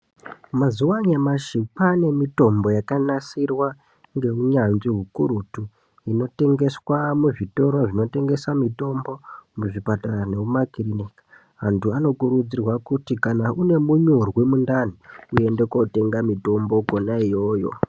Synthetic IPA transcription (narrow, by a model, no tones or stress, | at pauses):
mazuwaɲamaʃipane̞mito̞mbo̞jakanasirwa | ŋɡe̞uɲanʐiɦukuɾutu | ino̞te̞ŋɡe̞swamuʐito̞ɾoʐino̞te̞ŋɡe̞samito̞mbo̞muʐipataɾane̞umakirinikḁ | ɦantʰuano̞kuɾud͡zirwakutikanaʔune̞muɲurwimundan̤iue̞nde̞ko̞te̞ŋɡamito̞mbo̞konaijo̞ːjo̞̰